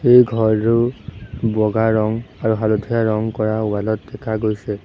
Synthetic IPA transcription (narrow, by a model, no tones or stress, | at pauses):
xejɡʱɔɹɹʊ | bɔɡaɹɔŋaɹuɦalodʱijaɹɔŋkɔɹauwalɔt̚dɛkʰaɡojsɛ